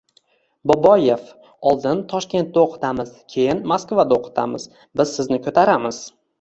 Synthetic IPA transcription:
bobɒje̞f | ɒlˠd̪ɪnt̪ʰɒʃkʲe̞nt̪̚d̪aoqʰɨ̥t̪ʰamɪzkʲʰe̞jɪnmaskvad̪aoqʰɨ̥t̪ʰa̰mɪz̥ | bɪzsɪznɪkʲʰɵt̪ʰaɾamɪz̥

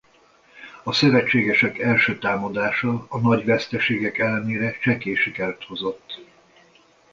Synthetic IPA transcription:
ɒsøvɛt͡ʃːeːɡɛʃɛkɛlʃøːt̪aːmɒd̪aːʃɒːnɒɟʋɛst̪ɛʃeːɡɛkɛlːɛneːɾɛt͡ʃɛkeːʃikɛløt̪ho̞zo̞t̪ː

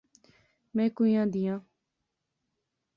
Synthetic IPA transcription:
mɛ̃ːkoːijãːd̪ɪjãː

